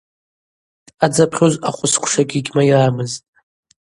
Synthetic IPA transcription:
ad͡zapʰχʲozaχʷʊskʷʰʂaɡʲiɡʲmajaːmɨztʼ

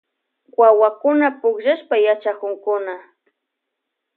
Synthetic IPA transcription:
wawakʊnapʊkʒaʃpajat͡ʃakʊŋkʊna

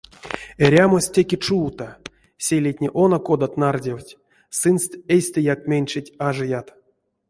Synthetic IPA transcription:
eɾʲamosʲtʲekʲet͡ʂuːt̪a | sʲelʲet̚ʲnʲeʔonokod̪at̪nardʲewtʲ | sɨnst̪ejsʲt̪ɨjak̚mʲenʲt͡ʃɨtʲaʐɨjat̪

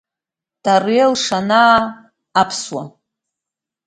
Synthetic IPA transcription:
d̥arielʂanaː | pʰswa

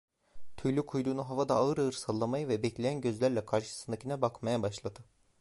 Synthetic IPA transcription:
t̪ʰyjlʲykʰujd̪uːnuɦavad̪aːɯɾaɯɾsalˠːamajɯvɛbɛclʲejænɟøzlʲæɾlʲɛkʰaɾʃɯ̥sɯnd̪acʰinɛbakmajabaʃlˠad̪ɯ

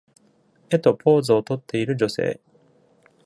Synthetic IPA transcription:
e̞t̪o̞pʰo̞ːzɨot̪o̞t̪ːe̞iɾɯ̟d͡ʑo̞se̞̰ː

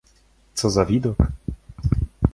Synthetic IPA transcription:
t̪sɔzavʲid̪ɔk

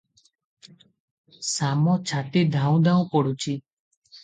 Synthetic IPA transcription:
samɔt͡ʃʰaʈid̪ʱãũd̪ãũpɔɽut͡ʃʰi

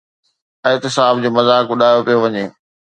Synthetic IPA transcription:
ɛɦt̪ɪsaːb̚d͡ʑoːmɐzaːkʋʊɗaːjopijoʋɐɲeː

